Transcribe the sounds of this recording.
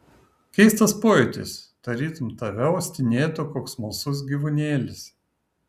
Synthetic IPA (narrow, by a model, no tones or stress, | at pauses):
kʲɛɪst̪ɐspoːjɛt̪ʲɪ̰sd̪̥ɐɾʲiːt̪ʊmt̪ɐʋʲɛʊsʲt̪ʲɪnʲeːt̪ʊkoːksmɐlˠsʊs̬ɡʲiʋʊnʲeːlʲɪs